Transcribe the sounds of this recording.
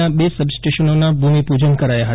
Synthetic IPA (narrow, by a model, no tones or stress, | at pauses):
abesəbsʈeʃənonabʱumipud͡ʒənkəɾajaɦət̪